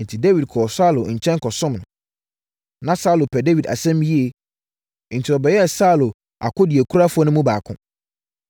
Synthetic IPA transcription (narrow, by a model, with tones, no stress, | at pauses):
n̩˨tʰi˨de˦wi˨d̚kʰɔ˨sa˦lo˨ɲ̩˨t͡ɕʰɛ̃˦ŋ˦kʰɔ˨sʊ̃˦mnʊ̃˨ | nã˦sa˦˨lo˨pʰɛ˨de˦wi˨da̰˨sɛ̃˦m˦i˦e˨ | n̩˨tʰi˨ɾɔ˨bɛ˨jɛ˦˨sa˦˨lo˨ | a̰˨kʰʊ˦di˨e˨kʰu˦ɾa˦fʊ˦ɔ˦nʊ̃˦mũ˦baː˨kʰʊ̰̃˨˦